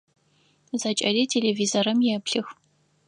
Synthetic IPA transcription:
zɐt͡ʃʼɐriːtʰelevizoɾɐmjɛpɬɨx

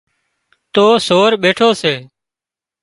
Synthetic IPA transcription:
t̪oːsoːɾɓeːʈʰoːseː

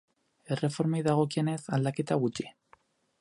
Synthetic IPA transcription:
e̞re̞fo̞ɾmejðaɣ̞o̞kie̞ne̞sald̪ake̞t̪aɣut͡ʃi̥

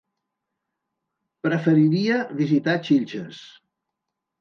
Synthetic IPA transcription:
pɾəfəɾiɾiəβizit̪at͡ʃiʎʲt͡ʃəs

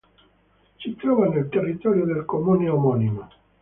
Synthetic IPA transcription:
t͡ʃit̪ɾɔvanelt̪erːit̪ɔɾjod̪elkomuneomɔnima

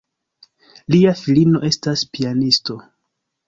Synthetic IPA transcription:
liafilino̞ʔe̞staspianisto̞

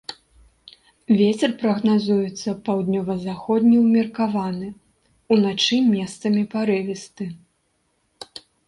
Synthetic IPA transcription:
vʲet͡sʲɛrpɾɐɣnazujɛt̪sːɐpawd̪nʲɔvɐzaxɔd̪ʲnʲiwmʲɛrkavanɨ | unat͡ʂɨmʲɛst̪sɐmʲipaɾɨvʲist̪ɨ

